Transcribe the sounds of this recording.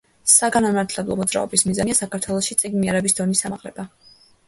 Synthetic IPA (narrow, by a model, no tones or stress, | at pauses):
saɡanamaɾt̪ʰlɛblˠɔ̰mɔd̪zɾa̰ɔbismizaniasakʰaɾt̪ʰwɛlˠɔʃit̪sʼiɡnmiɛɾɛbisd̪ɔnisamaqʼlɛba